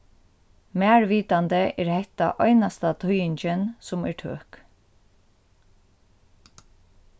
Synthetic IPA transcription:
mæːɹʋiːt̪ant̪əʔɛɹhɛht̪a̰ʔɔjnast̪at̪ʰʊjɪɲt͡ʃɪnsʊmɛ̰ɹʈʰø̰ːk

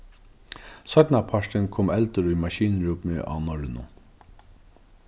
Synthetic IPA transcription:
sœt̪napʰaʂʈ̪ɪnkʰoːmɛlt̪əɾʊjmaʃiːnɹuːpmɪʔa̰wnɔɹɪnʊ̰

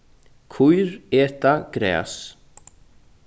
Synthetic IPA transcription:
kʰujɾɛːt̪akɾɛ̰ːs

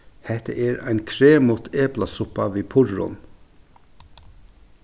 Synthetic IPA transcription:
hɛht̪ə̰ʔɛɾæɪnkʰɾeːmʊt̪ʰeːplasʊpːaʋiːpʰʊɾʊ̰n

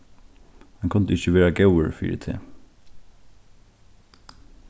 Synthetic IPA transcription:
mɛnkʰʊnd̪əɪçəʋeːɹaɡɑʊəɹfḭːɾə̰t̪ʰḛː

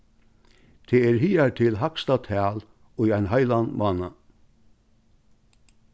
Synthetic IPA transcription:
t̪ʰɛɛɾhiːaɾt̪ʰɪlɦakst̪at̪ʰæːl | ʊjajnɦajlanmaːna

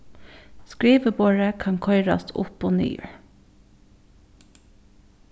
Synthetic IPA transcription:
skɹiːʋəboːɹəkʰɑŋkʰɔʏɹɑ̰st̪ʰʊ̰poːny̰ː

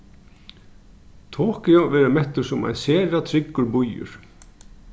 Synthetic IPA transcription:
t̪ʰɔːhkɪɔvɛːɾɪmɛht̪ʏɾ̥sʊma̰jnsɛːɾat̪ʰɾɪkːʏɾbujʏ̰ɾ̥

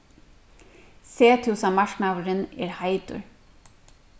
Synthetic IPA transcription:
seːt̪ʰʉːsɑmɑʃɳɑʋɾəneːɾhɑɪd̪ʊ̰ɹ

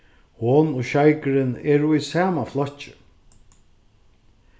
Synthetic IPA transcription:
hoːnʊʃajkɾɪnɛːɾʊisaːmaflɔt͡ʃɪ̥

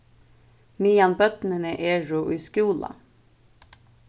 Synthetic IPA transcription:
miːjɑnbœt̪nənəʔeːɹuʔʉʏskuːlɑ̰

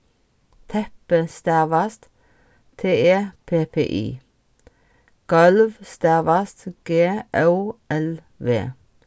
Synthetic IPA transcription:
t̪ʰɛpəst̪æːʋɑst̪ | t̪ʰeːeːpʰeːpʰḛːʔḭː | ɡ̥ɑlʋst̪æʋɑst̪ɡ̥eːʔaʔɛl | ʋḛː

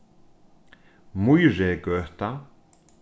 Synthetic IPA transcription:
mujɾɛɡœht̪a

